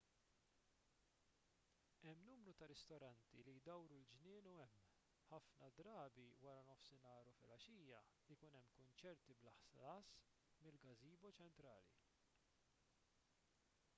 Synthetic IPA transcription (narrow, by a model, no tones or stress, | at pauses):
ɛmːnuːmɾut̪ɐɾɛst̪ɔɾɐnt̪ilijd̪ɐwɾuld͡ʒnɪːnuɛmː | ħɐfnɐd̪ɾɐːbiwɐɾɐnɔfsɪnɐːɾufɪlɐʃiːjɐlikʊnɛmːkʊnt͡ʃɛɾt̪iblɐħsɐːs | mɪlɡɐziːbɔt͡ʃɛnt̪ɾɐːlḭ